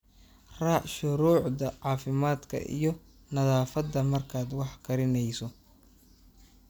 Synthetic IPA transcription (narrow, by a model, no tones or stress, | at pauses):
rɑʃʊɾuːʕd̪ɐʕɑːfɪmaːd̪kʰɐ̰ʔḭjɞ | nɐðaːfɐd̪ːɐmɐrkʰaːd̪wɑħkʰɐɾɪnɛjsɔ